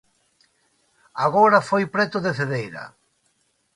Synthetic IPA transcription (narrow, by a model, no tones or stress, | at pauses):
aɣoɾafojpɾɛt̪ʊðeθeðejɾa̰